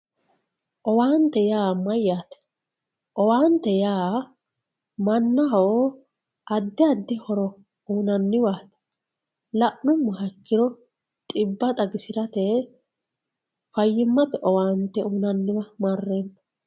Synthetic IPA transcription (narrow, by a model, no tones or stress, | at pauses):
ʔɔwaːnt̪ːɛjaːmɐjːaːt̪ɛ̥ | ʔɔwaːnt̪ːɛjaː | mɐnːɐɦɔ | ʔɐd̪ːɪɐd̪ːɪhɔɾɔ | uːnɐnːɪwaːt̪ɛ̥ | lɐʔnʊmːʊɦɐkːɪɾɔ | t̪ʼɪbːɐt̪ʼɐɡɪsɪɾɐt̪ɛ | fɐjːɪmːɐt̪ɛʔɔwaːnt̪ɛuːnɐnːɪwɐmarːeːnːɐ̥